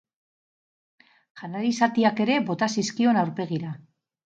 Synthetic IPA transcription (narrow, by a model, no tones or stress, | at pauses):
xanalisat̪iake̞ɾe̞βo̞t̪asiskio̞nawɾpe̞ɣ̞iɾa